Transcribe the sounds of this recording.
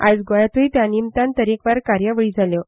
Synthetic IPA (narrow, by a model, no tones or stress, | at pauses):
a̰d͡zɡojat̪ujt̪janimt̪ant̪əɾikʋaɾkaɾjəʋəɭiːd͡zʱaljo